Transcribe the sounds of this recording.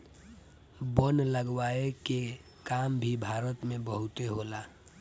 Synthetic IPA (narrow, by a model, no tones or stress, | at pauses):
bənləɡwaeke | kambʱibʱaɾət̪mẽbəɦut̪eɦola